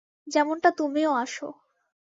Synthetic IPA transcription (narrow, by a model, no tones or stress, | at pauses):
d͡ʑɛmonʈat̪omioaʃo̰